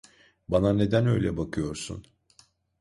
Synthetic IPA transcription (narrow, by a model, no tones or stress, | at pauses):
banane̞d̪ænø̞jlʲɛbakʰɯjo̞ɾsṵn